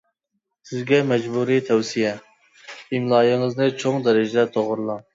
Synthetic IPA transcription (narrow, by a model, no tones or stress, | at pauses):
sɪzɡʲɛmɛd͡ʒbuːɾit̪ʰɛwsijɛ | imlˠɑːjɪŋɨznɨt͡ʃʰoŋd̪ɛɾɪd͡ʒɪd̪ɛt̪ʰoʁʊɾlˠɑŋ